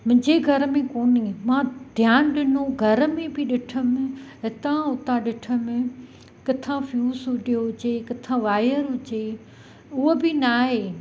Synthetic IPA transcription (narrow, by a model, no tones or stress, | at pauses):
mʊ̃ɦɪ̃d͡ʑeɡʱɐɾəmẽkoːnimãd̪ʱjaːnɗɪnõɡʱɐɾəmẽbɪɗɪʈʰə̆mẽɦɪt̪ãʊt̪aɗɪʈʰəmẽ | kɪt̪ʰãfjuːsɦʊd͡ʒijoɦʊt͡ɕekɪt̪ʰãʋaːjəɾɦʊt͡ɕe | ʊɦobɪnaːɦeː